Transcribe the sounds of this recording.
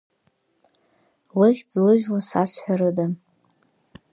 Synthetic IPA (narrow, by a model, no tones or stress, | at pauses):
weχʲd͡zlɨʒᶣwasasħʷᶣaɾɨda